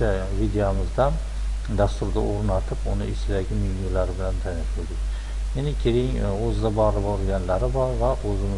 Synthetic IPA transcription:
avid̪ejomɪzd̪an | d̪ast̪ʊɾd̪a̰ʔoɾnat̪ʰɪpʊnɪɪsɪd̪aɡʲɪminulaɾɪbɪlant̪ʰanɪʃʊld̪ɪkʲ | enɪkʲʰeɾɪŋɵzɪd̪abɒlˠɪbɒɾɡʲanlaɾɪbɒɾvaʔɵzɪmɪ

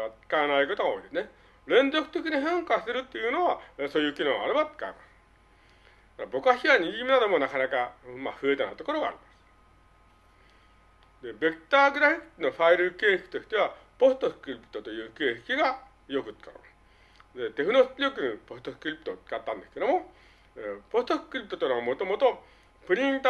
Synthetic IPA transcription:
at͡sɨ̥kanaiko̞t̪oɡao̞id̪esɨne | ɾẽ̞nzo̞kɯ̟t̪e̞kʲiɲ̟iɦãŋkasseɾɯ̟t̪ːe̞jɯ̟ːno̞βaso̞ːjɯ̟ːkʲinõːaɾebat͡sɨ̥ka̰emasɨ̥ | kaɾabo̞kaɕiβaɲ̟iɡimʲinad̪o̞mo̞nakanakama̰ɸɯ̟e̞t̪anat̪o̞ko̞ɾo̞ɡa̰ːɾʲimasɨ̥ | d̪e̞be̞kɯ̥t̪aːɡɯ̟ɾaçino̞ɸaiɾɯke̞ːhe̥kʲi̥t̪o̞çʲi̥t̪e̞β̞apo̞sɨ̥t̪o̞sɯ̥kɯɾʲipɯ̥t̪o̞t̪o̞jɯ̟ːke̞ːhe̥kʲiɡa | jo̞kɯ̟t͡sɨ̥ka̰ | d̪e̞t̪e̞ɸɯ̟no̞sɾʲo̞kɯ̟nipo̞st̪o̞sɯ̥kɯ̟ɾʲipɯ̥t̪ot͡sɨ̥kat̪ːãnd̪esɨ̥ke̞d̪omo̞ | epo̞st̪o̞sɯ̥kɯɾʲipɯ̟̥t̪ot̪onaβamo̞t̪o̞mo̞t̪o | pɯ̟ɾʲĩnt̪

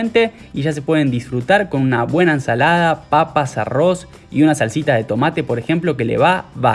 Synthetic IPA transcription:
nt̪e̞ | iʒas̬e̞pwe̞ð̞e̞nd̪isfɾut̪aɾko̞nunaβwe̞naensalað̞apapasa̰ro̞s | ḭunasalsit̪að̞e̞t̪o̞mat̪e̞po̞ɾe̞xe̞mplo̞ke̞lḛβaβa

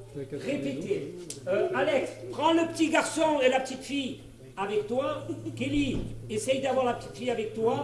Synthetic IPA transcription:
ʁepet̪eøalɛkspχɑ̃ləpə̥t̪iɡaʁsɔ̃elapət̪it̪fij | avɛkt̪wakeliesɛjd̪avwaʁlapə̥t̪i̥t̪fijavɛk̚t̪wa

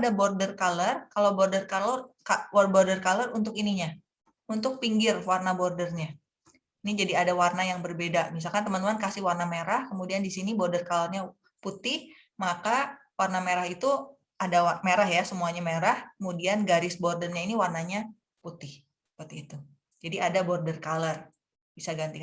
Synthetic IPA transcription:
adabɔrdərkalərkalawbɔrdərkalorkawarbɔrdərkalərunt̪ʊkiniɲa | unt̪ʊk̚piŋɡɪrwarnabɔrdərɲa | inid͡ʒadiadawarnajaŋbərbedamis̬alkant̪əmənt̪əmankasɪhwarnameɾahkəmudiandisinibɔrdərkalərɲa | put̪ɪh | makawarnameɾahit̪u | adaameɾahjasəmuaɲameɾahkəmudianɡaɾɪsbɔrdərɲainiwarnaɲa | put̪ɪh | ssəpərt̪iːt̪u | d͡ʒadiadabɔrdərkalər | b̥isaɡant̪ik

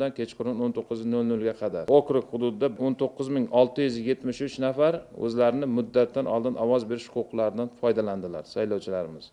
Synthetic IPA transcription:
d̪ankʲʰe̞t͡ʃqʰʊɾɪnont̪ʰoqːɨznɵlnɵlɡʲaqʰɑd̪aɾokɾɪkʲχʊd̪ʊd̪ɪd̪aont̪ʰoqːɨzmɪŋɒlˠt̪ʰɪjʏzje̞t̪mɪʃʊt͡ʃnafaɾɵ̰zlaɾɪnɪmʊd̪ːat̪ʰːanʔɒlˠd̪ɪnɒwɒzbe̞ɾɪʃʊ̥qʊqʰlˠaɾɪd̪anfɒjd̪aland̪ɪla̰ɾsajlɒwt͡ʃʰɪlaɾɪmɪz̥

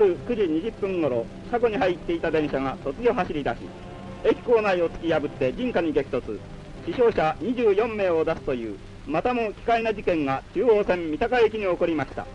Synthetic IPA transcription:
aɾɯ̟kɯ̟ʑiɲ̟iʑɨpːɯ̟̃ŋɡo̞ɾo̞ | ɕaɡo̞ɲ̟ihait̪ːe̞it̪ad̪ẽ̞ɰ̃ɕaɡaso̞t͡sɨɡʲo̞ɦaɕiɾʲid̪aɕḭ | e̞kʲi̥ko̞ːnaio̞t͡sɨ̥kʲijabɯ̟t̪ːe̞d͡ʑĩŋkaɲ̟iɡe̞kʲi̥t̪o̞t͡sɨ | ɕiɕo̞ːɕaɲ̟iʑɨːjõ̞mːe̞ːo̞d̪asɨ̥t̪o̞jɯ̟̰ː | mat̪amo̞kʲi̥kainad͡ʑikẽ̞ŋɡat͡ɕɨːo̞ːsẽ̞mːʲit̪akaek̬ʲiɲ̟io̞ko̞ɾʲimaɕi̥t̪a̰

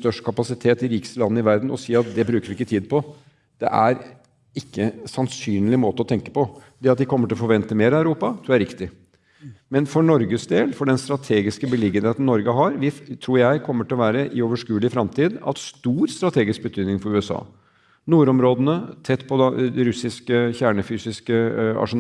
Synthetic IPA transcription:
st̪œʂʈkʰɑpɑsɪt̪ʰeːt̪ɪɾiːkə̥slɑnːəɪʋæɾd̪n̩ɔ̰siːɑt̪̚d̪ɛbɾʉːkəɾʋɪɪkːət̪ʰiːd̪̚pʰɔ | d̪̥ɛ̰ʔæɾ | ɪkːəsɑnsyːnlɪmoːt̪əɔt̪ʰɛŋkə̥pɔfɔɖiːɑt̪ʋ̪ɪkʰɔmːəʈɪlɔfɔɾʋɛnt̪əmeːɾæʉɾuːpɑt̪ʰːæɾɪkt̪ɪ | mɛnfɔɳɔɾɡəsd̪eːlfɔɖɛnst̪ɾɑt̪ʰeːɡɪskəbəlɪɡənheːt̪n̩nɔɾɡəɦɑɾʋɪt̪ʰɾuːɾjæɪkʰɔmːəʈɪlɔʋæːɾəʔɪoːʋəʂkʉːlɪfɾɑmt̪ʰiːd̪ɑ̰t̪st̪uːɾst̪ɾɑt̪ʰeːɡɪsk̚bət̪ʰyːd̪nɪŋfɔɾʉːɛsɑ̰ː | nuːɾɔmɾoːd̪ənət̪ʰɛt̪ːpʰɔd̪ɾʉsɪskəçæːɳəfyːsɪskəɑ̰ʂʊn

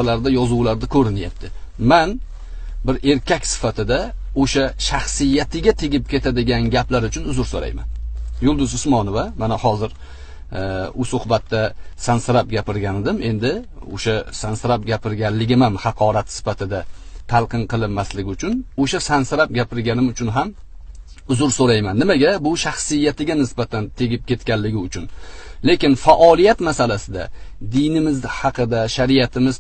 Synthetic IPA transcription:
alaɾd̪ajɒzʊwlaɾd̪akʲʰɵɾɪnjap̚t̪ʰɪman | bɪɾe̞ɾkʲʰakʲsɪ̥fat̪ʰɪd̪aoʃaʃaχsɪjːat̪ʰɪɡʲat̪ʰɪɡʲɪp̚kʲʰe̞t̪ʰad̪ɪɡʲanɡʲaplaɾʊt͡ʃʰʊnʊzʊɾsoɾa̰jma̰njʊlˠd̪ʊzʊsmɒnovamanahɒzɪɾ | ʊsʊhbat̪ːasansɪɾap̚ɡʲapɪɾɡʲanɪd̪ɪme̞nd̪ɪ | o̰ʃasansɪɾap̚ɡʲapʰɪɾɡʲanlɪɡʲɪmamhɑqʰɒɾat̪sɪ̥fat̪ʰɪd̪at̪ʰalˠqɨnqʰɨlˠɪnːaslɪɡʲɪʊt͡ʃʰʊnoʃasansɪɾap̚ɡʲapʰɪɾɡʲanɪmʊt͡ʃʰʊnɦam | ʊzʊɾsoɾajmanːɪmaɡʲabʊʃaχsɪjːat̪ʰɪɡʲanɪsbat̪ʰant̪ʰe̞ɡʲɪp̚kʲe̞t̪kʲanlɪɡʲɪʊt͡ʃʰʊnle̞kʲɪnfaʔɒlˠijat̪masalasɪd̪a̰d̪ɪjnɪmɪzhɑqʰɨd̪aʃaɾijat̪ʰɪmɪz

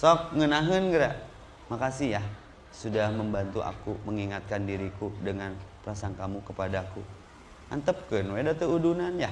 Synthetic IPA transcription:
sɔk̚ŋənaɦənɡəɾaʔ | makasijah | sudahməmbant̪uʔa̰kuməŋiŋat̪̚kandiɾikudəŋanpəɾasaŋkamukəpadaku | ʔa̰nt̪əp̚kənwedat̪əudunanja

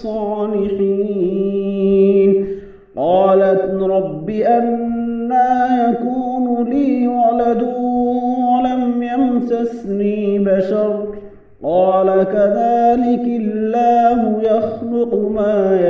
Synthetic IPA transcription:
ɑːlɪħiː | n | qɑːlat̪ɾˤɑbːɪʔanːaːjakuːnʊliːwalad̪ʊwalamjamt̪asniːbaʃɑɾˤ | qɑːlakaðaːlɪklllːaːɦʊjɑxlʊqmaːj

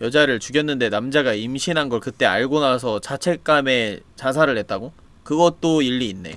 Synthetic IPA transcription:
jʌd͡ʑaɾɯɭt͡ɕuɡjʌnːɯnde̞namd͡ʑaɡaimɕʰinɦanɡʌɭkɯt͈e̞a̰ɭɡonasʰʌt͡ɕat͡ɕʰe̞k̚k͈ame̞t͡ɕas̬ʰaɾɯɭɦe̞t̚t͈aɡo | kɯɡʌt̚t͈oiʎːiːnːe̞̰

